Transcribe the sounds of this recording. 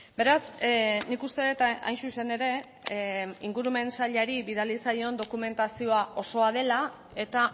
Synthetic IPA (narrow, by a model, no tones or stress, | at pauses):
be̞ɾasnikust̪e̞ðet̪a̰jnsuse̞ne̞ɾe̞ | iŋɡuɾume̞nsaʎaɾiβiðalisajo̞nd̪o̞kume̞nt̪asio̞aʔo̞so̞að̞e̞la | e̞t̪a